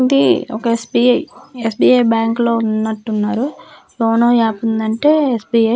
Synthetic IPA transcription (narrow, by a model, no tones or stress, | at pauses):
id̪iɔkɐesbiːɐjesbiːɐjbjaːŋklo̞ːunːɐʈːunːaːɾu | oːnoːaːpund̪ɐɳʈe̞ːesbiːɐ